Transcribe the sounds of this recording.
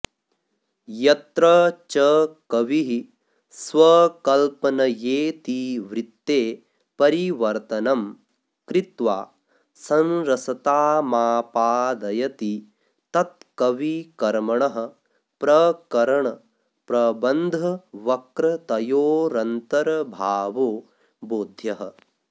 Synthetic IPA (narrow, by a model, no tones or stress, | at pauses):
jɐt̪ɾɐt͡ʃɐkɐʋiɦi | sʋɐkɐlpɐnɐjeːt̪iʋɾit̪ːeː | pɐɾiʋɐɾt̪ɐnɐm | kɾit̪ʋa̰ː | sɐ̃nɾɐsɐt̪aːmaːpaːd̪ɐjɐt̪i | t̪ɐt̪̚kɐʋikɐɾmɐɳɐɦɐ̆ | pɾɐkɐɾɐɳɐ | pɾɐbɐnd̪ʱɐʋɐkɾɐt̪ɐjoːɾɐnt̪ɐɾɐbʱaːʋoː | boːd̪ʱjɐɦɐ̰̆